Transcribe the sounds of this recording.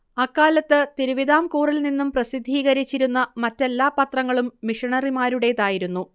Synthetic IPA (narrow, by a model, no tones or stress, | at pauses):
ɐkːaːlɐt̪ːɨt̪iɾuʋid̪aːmkuːrilninːumprɐsid̪ʱːiːɣɐɾit͡ɕːiɾunːɐmɐtːe̞lːaːpɐt̪rɐŋːɐɭumːiʂɐɳɐrimaːɾuɽe̞ðaːjiɾunːu